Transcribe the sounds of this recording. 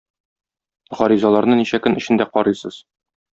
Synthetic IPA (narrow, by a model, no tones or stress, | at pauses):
ʁɒɾizɑlˠɑɾnɤniɕækɵnɘ̆ɕɘ̆nd̪æqɒɾɤjsɤz̥